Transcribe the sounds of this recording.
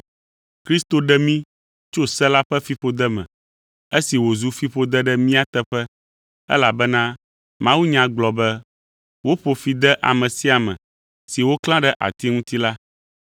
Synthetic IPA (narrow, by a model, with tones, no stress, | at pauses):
kɾi˦st̪o˨ɖɛ˦mĩ˦ | t͡ʃo˦sɛ˦la˦ɸɛ˦fi˦ɸo˦d̪ɛ˦mɛ̰̃˨ | e˦si˨wo˨zu˦fi˦ɸo˦d̪ɛ˦ɖɛ˦mĩ˦a˦t̪ɛ˦ɸɛ˦ | ɛ̰˦la˨bɛ˦nã˦ | mã˦wu˦ɲã˨ɡ͡blɔ˨bɛ˦ | wo˦ɸo˨fi˨d̪ɛ˦ʔa̰˨mɛ̃˨si˦a˨mɛ̰̃˨ | si˨wo˦klã˦ɖɛ˦ʔa̰˨t̪i˦ŋũ˦t̪i˦la˦